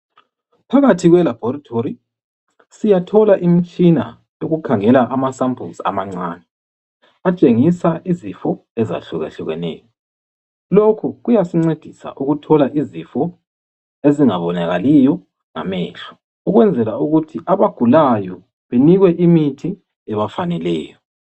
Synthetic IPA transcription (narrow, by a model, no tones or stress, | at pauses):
pʰaɣatʰiɣwɛlab̥ʱɔɾatʰoɾi | sijatʰɔlaʔimit͡ʃʼina̰ | joɣukʰaŋɛlaʔamasampʰulsa̰maŋ͡ǀaːnɛ | at͡ʃʼeŋisaʔizifɔ | ɛza̰ɬuɣɛ̰ɬuɣɛnɛ̰ːjɔ | lokʰuɣujasiŋ͡ǀed̥ʱisa̰ʔuɣutʰɔlaʔizifɔ | eziŋaβɔnaɣalijɔ | ŋa̰mɛːɬu̥ | uɣwɛnd͡zʱɛlauɣutʰiʔaβaɡ̥ʱulajɔ | βeniɣwɛʔimitʰi | ɛβafanɛlɛ̰ːjɔ